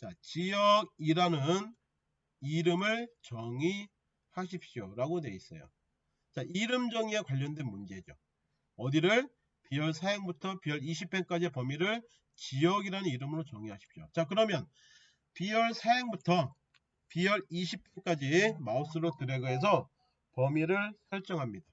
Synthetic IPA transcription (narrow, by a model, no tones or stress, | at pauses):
t͡ɕat͡ɕijʌɡiɾanɯn | iɾɯmɯɭt͡ɕʌŋi | haɕʰip̚ɕ͈joɾaɡonwe̞is͈ʌ̰jo̰ | t͡ɕaʔiɾɯmd͡ʑʌŋiekwaʎːʌndwenmund͡ʑe̞d͡ʑo̰ | ʌdiɾɯɭ | pijʌɭsʰeeŋbutʰʌpijʌɾiɕʰip̚p͈enk͈ad͡ʑipʌmiɾɯɭ | t͡ɕiʌɡiɾanɯniɾɯmɯɾot͡ɕʌŋiɦaɕʰi̥pɕ͈jo̰t͡ɕakɯɾʌmjʌn | pijʌɭsʰeeŋbutʰʌ | pijʌɾiɕʰip̚p͈ʰe̞k͈ad͡ʑimaos͈ɯɾotɯɾeɡɯes̬ʰʌ | pʌmiɾɯɭsjʌɭt͡ɕ͈ʌŋɦamɲida